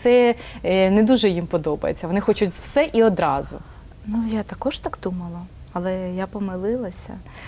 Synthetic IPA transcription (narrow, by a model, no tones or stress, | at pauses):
sɛ | nɛd̪uʒɛjimpɔd̪ɔbɐ̰jḛt͡sʲːɐʋɔnɪxɔt͡ʃʊtʲz̥wsɛʔiɔd̪ɾɑzʊ̰ | nujat̪ɐkɔʒt̪ɑɡd̪umɐlˠɐ | ɐlˠɛjapɔmɪlˠɪlˠɐsʲɐ̰